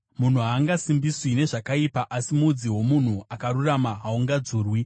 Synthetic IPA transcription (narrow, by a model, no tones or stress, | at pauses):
mun̤uɦaːŋɡasimbiswine̞ʐakaipaʔasimud͡ziwo̞mun̤uakaɾuramaɦauŋɡad͡zuːrwi